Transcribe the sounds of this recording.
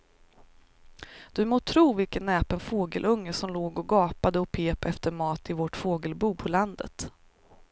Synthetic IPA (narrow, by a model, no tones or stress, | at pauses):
d̪̥ɵmoːt̪ʰɾuːvɪlkət̪nɛːpənfoːɡə̰lʔɵŋːəsɔmloːɡɔɡɑːpad̪əɔpʰeːpɛft̪əɾmɑːt̪ɪvɔʈfoːɡəlbuːpʰɔland̪ə̰t̪